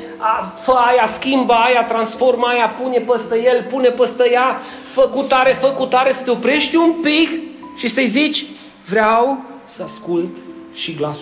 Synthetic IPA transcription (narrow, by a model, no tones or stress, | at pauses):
afəajaskʲimbajat̪ɾansfo̞rmajapune̞pəst̪əjelpunepəst̪əja | fəkut̪aɾe̞fəkut̪aɾesə̥t̪eopɾe̞ʃt̪ʲumpikʃisəjzit͡ʃʲ | vɾeaw | səaskult̪ | ʃiɡlas